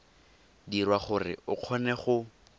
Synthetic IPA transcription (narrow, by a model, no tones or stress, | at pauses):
dirwaχʊrɪ̰ʊq͡χʰɔnɛχʊ